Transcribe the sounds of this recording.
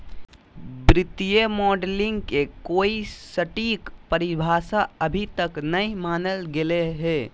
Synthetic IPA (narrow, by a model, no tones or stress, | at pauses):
bɾɪt̪ijemɔːɖlɪ̃ŋɡkekoːisəʈiːkpəɾɪbʱaːsaəbʱit̪əknɐimaːnəlɡeleɦɛː